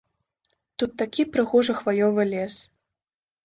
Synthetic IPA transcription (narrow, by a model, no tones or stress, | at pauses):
t̪ut̪ːakʲipɾɨɣɔʐɐxvajɔvɨlʲɛs